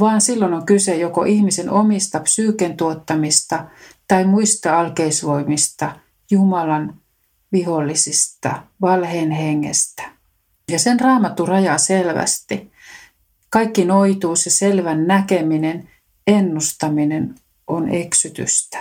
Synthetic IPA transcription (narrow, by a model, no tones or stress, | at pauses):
ʋɑːnsilːonoŋkysejoko̰ʔihmisenomist̪ɑpsyːkent̪uot̪ːɑmist̪ɑt̪ɑimuist̪eɑlkeisʋoimist̪ɑ | jumɑlɑn | ʋiholːisist̪ɑ̰ʋɑlheːnheŋːḛst̪æ̥ | jɑsenrɑːmɑt̪ːurɑjɑselʋæ̰st̪i | kɑikːinoit̪uːseselʋænnækeminen | enːust̪ɑminen | oneksyt̪y̰st̪æ̥